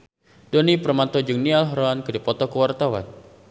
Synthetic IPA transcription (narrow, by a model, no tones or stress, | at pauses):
dɔnipərmat̪ɔd͡ʒɨŋnialɦɾoankɨdipɔt̪ɔkəwart̪awa̰n